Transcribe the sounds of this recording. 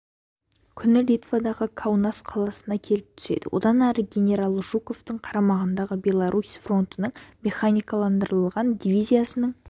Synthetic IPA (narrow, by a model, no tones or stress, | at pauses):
kʲʰʏnɪlʲijt̪vad̪ɑʁəkʰawnasqʰɑlˠɑsənɑkʲʰe̞lɪp̚t̪ʰʏ̥se̞̰d̪ɪ̰wʔo̞̰d̪ɑnæɾəɡʲe̞nʲe̞ɾalˠʒuko̞ft̪əɴqʰɑɾɑmɑʁənd̪ɑʁəbʲe̞lˠaɾʔusʲfro̞nt̪ənəɴmʲe̞χanʲijkɑlˠɑnd̪əɾəlˠʁɑnd̪ʲivʲijzʲijasənəɴ